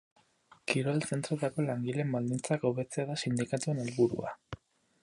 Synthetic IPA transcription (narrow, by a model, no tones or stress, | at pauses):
kiɾoelse̞nt̪ɾo̞t̪ako̞laŋɡile̞mbald̪int͡sakowβe̞t͡se̞aðasind̪ikat̪ue̞nelβuɾṵa̰